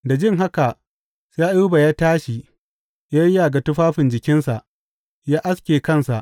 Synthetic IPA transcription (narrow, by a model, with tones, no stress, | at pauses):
da˨d͡ʒɪ˦ŋɦa˦ka˨ | sja˦ʔu˦ba˨jaː˦taː˦ʃi˨ | ja˦jja˨ɡa˨tʊ˦ɸaː˦ɸɪ˨nd͡ʒɪ˨kʲɪ˦nsa˨ʔ | jaː˦ʔa˦skʲeː˨kɐ˦˨nsa˨ʔ